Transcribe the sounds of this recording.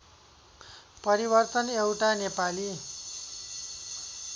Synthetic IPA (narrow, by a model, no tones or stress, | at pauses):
pʌɾibʌrt̪ʌnewʈanepali